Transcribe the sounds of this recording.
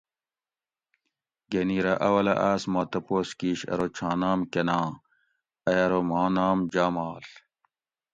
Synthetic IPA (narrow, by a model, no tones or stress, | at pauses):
ɡeniːɾɐʔɐwɐlɐ̰ʔaːsmaːt̪ɐpoːskiːɕɐ̰ɾot͡ɕʰãːnaːmkenãː | ɐjɐɾomaːnaːmd͡ʑaːmaːl